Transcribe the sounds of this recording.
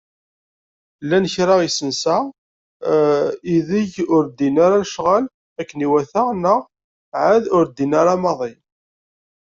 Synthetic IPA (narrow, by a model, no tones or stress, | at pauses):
lːænəçɾaʁisənsa | iðiʝʊɾd̪inaɾalʃʁal | ækːniwæθaʁnəʁ | ʕaðʊɾd̪inaɾɑmɑðˤi